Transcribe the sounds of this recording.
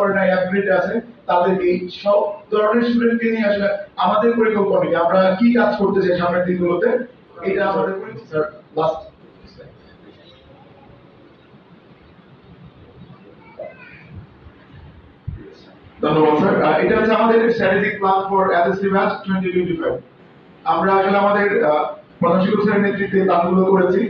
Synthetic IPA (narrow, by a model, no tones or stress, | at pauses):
kɔɾenaɛk̪̚uɾiʈiat͡ɕʰet̪ad̪eɾejʃɔb̚d̪ɔɾoneɾʃulenʈinijaʃoleamad̪eɾpoɾikolponːikiamɾakikad͡ʑkoɾt̪et͡ɕʰaj̃nʃamned̪inɡulot̪e | ejʈaamad̪eɾpoɾiksaɾlasʈo | d̪ʱonːobadsaɾeʈaot͡ɕʰeamad̪eɾʃɛʈiɾik̚badfɔɾɛd̪esɾibad͡ʑʈʰwenʈiʈiʈifa | amɾaaʃleamad̪eɾmanoʃikoɾosʰaeɾnet̪ːɾit̪ːek̪atɡulokoɾet͡ɕʰi